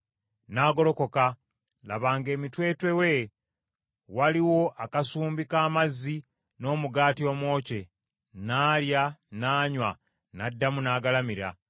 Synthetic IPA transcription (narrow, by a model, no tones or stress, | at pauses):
naːɡo̞lo̞ko̞ka | laβaːŋɡe̞ːmitwe̞ːtwe̞we̞ | waliwo̞ʔakasuːmbikaːmazːi | no̞ːmuɡaːtio̞ːmwo̞ːce̞ | naːljanaːɲwa | nadːamunaːɡalamiɾa̰